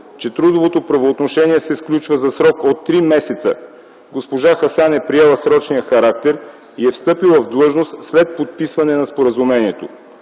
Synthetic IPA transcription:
t͡ʃɛt̪ɾud̪ovot̪opɾɐvoːt̪noʃɛniɛsɛsklʲut͡ʃvəzɐsɾɔkot̪ːɾimɛsɛt̪sə̰ | ɡospoʒaxɐsanɛpɾiɛlˠəsɾɔt͡ʃnijəxɐɾak̚t̪ɛɾ | iɛfst̪ɤpilˠvɐvd̪lˠɤʒnost̪slɛt̪̚pot̪̚pisvɐnɛnɐspoɾəzumɛniɛt̪o

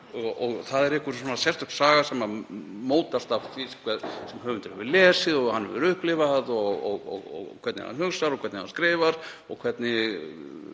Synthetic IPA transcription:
ɔɔɣθaðɛɾɛhkʏɾsɔːnasjɛr̥t̪ʏkt̪saːɣasɛmːamoːwt̪ast̪afθiskʰɛðsɛmɦœːvʏnt̪ɪɾhɛvʏlɛːsɪðɔɣhanːvɪ̰ɾʏhplɪvaðɔɣɔɣɔ̰ɣɔ̰ɣkʰvɛɾt̪nɪ̰ha̰nhʏɣsaɾɔkʰvɛɾt̪nɪhanskɾɪːvaɾ̥ | ɔ̰ɣkʰvɛt̪nɪ

